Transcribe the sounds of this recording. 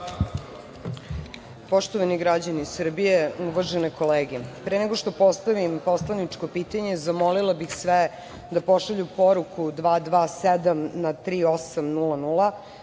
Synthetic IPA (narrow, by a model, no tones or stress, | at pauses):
po̞ʃt̪oʋaniɡɾad͡ʑanisr̩bijeuʋaʒeneko̞leːɡepɾeneɡo̞ʂt̪o̞po̞st̪aʋimposlˠanit͡ʂko̞piːt̪aɲe̞zamolilabixsʋe | d̪apoʃaʎupoɾukʰud̪ʋaːd̪ʋaːsed̪amnat̪ɾiːo̞samnulanulˠa